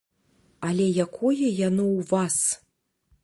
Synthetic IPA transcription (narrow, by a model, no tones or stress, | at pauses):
alʲɛjakʰɔjɛjanɔwvas